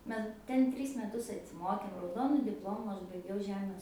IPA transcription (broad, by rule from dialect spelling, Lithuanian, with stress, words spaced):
ˈmʲɛ ˈtʲɛn ˈtʲrʲiːs mʲɛˈtʊs ɐtʲsʲɪˈmoːkʲeːm rɐʊˈdoːnʊ dʲɪpˈlˠoːmʊ ˈɐʃ bɐɪˈɡʲɛʊ ˈʒʲæːmʲeːs